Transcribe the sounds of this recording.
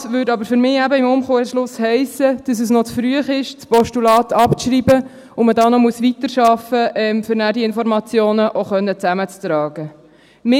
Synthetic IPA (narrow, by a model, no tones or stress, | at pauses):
ʋødɑbəɾfʏɾmɪːæbəɪmʊmχoːʃlʊshɛɪsəd̥ɑs̬əsnɔt͡sfɾyəχɪʃt͡spɔʃtulɑːtʰɑpt͡sʃɾiːbə | ʊmədɑːnɔmuəsʋitəɾʃɑfəʔɛmfʏɾnæːdiɪnfɔɾmɑt͡sjoːnəʔoχœnːət͡sæmət͡st̪ɾɑːɡ̥ə | mɪ